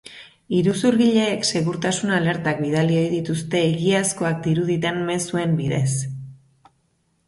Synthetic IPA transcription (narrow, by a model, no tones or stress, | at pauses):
iɾusuɾɣiʎe̞ːkse̞ɣuɾt̪asunale̞ɾt̪ak̚biðalio̞jðit̪us̬t̪e̞ːɣiasko̞ak̚d̪iɾuðit̪emme̞sue̞mbiðe̞s